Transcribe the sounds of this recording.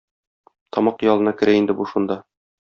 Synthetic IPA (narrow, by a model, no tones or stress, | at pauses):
t̪ʰɒmɑqjɒlˠɤ̆nɑkɘ̆ɾæind̪ɘbuʃund̪ɑ